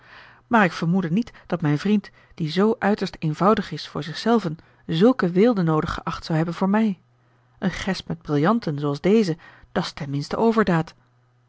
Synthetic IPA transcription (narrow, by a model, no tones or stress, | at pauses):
maːɹɪkfəɹmudənitd̥ɑtmɛjnvrint | d̥izowʔœɥtəɹstejnvɑwdəχɪsfʊːɹzɪχsɛlˠvən | zɵlˠkəʋɪːlˠdənowdəχəʔɑχtsɑwɦɛbənvʊːɹmɛj | ʔənχɛspmɛd̚brɪlˠjɑntənzowɑlˠzdejzəd̥ɑstɛnmɪnstəʔowvəɹdaːt